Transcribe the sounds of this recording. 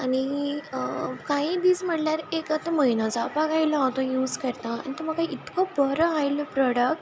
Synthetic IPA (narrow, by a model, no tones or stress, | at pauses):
ani | kaɦid̪iːsm̤əɽljaɾekat̪əməinɔd͡zapaɡajlɔɦɔt̪ɔ̃juːzkəɾt̪ãa̰ñit̪əm̤əkaiit̪kɔbəɾəajlɔpɾɔɽək̚ʈ